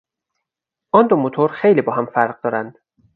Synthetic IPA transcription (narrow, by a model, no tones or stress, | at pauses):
ʔɒnd̪omot̪ʰoɾxejliːbɒːɦæmfæɾɢ̚d̪ɒːɾænd̪̥